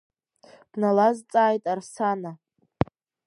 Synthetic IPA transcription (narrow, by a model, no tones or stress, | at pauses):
d̥nalazt͡sʼaːjtʼarsana